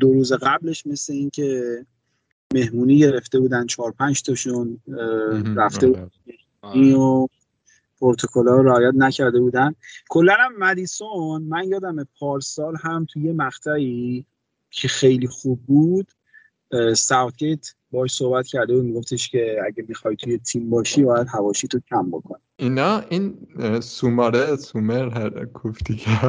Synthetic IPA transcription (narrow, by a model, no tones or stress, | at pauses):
d̪oɾuːzeɣæble̞ʃme̞sle̞incʰe̞ | me̞hmuːniːɟe̞ɾe̞ft̪e̞buːd̪ænt͡ʃʰɒːɾpʰænd͡ʒt̪ʰɒʃun | ɾæfd̪e̞buːd̪æmehmuunio | pʰoɾt̪ʰokʰolɒːɾɾeɒːjæt̪næcʰæɾd̪e̞buːd̪ænkʰolːænæmːæd̪iːsonmænjɒːd̪æmepʰɒːɾsɒːlɦæmt̪ʰujemæxt̪ʰæi | cʰexejliːxub̚ːud̪̥ | sæwt̪̚cet̪ʰ | bɒɒʃso̞hbæt̪cʰæɾd̪e̞buːd̪miɡo̞ft̪e̞ʃcʰe̞æ̰ɟæmixɒjt̪ʰuje̞t̪ʰimbɒːʃiːbɒːjæd̪ɦævɒːʃit̪ʰocʲʰæmbo̞̰kʰoniinɒʔinsumɒɾesumeɾɦækʰufd̪ikæ